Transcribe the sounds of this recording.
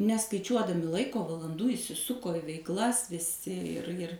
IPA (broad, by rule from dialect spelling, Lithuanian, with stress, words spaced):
nʲɛskɐɪˈt͡ʃʲuɔdɐmʲɪ ˈlˠɐɪkoː ʋɐlˠɐnˈduː iːsʲɪˈsʊkoː ɪ ʋʲɛɪkˈlˠɐs ʋʲɪˈsʲɪ ɪr ɪr